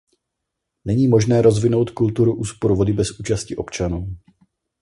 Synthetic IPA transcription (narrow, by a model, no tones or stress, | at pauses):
nɛɲiːmo̞ʒnɛːɾo̞zvɪno̞wt̪kult̪uɾuʔuːspo̞ɾuvo̞dɪbɛsʔuːt͡ʃascɪʔo̞pt͡ʃanuː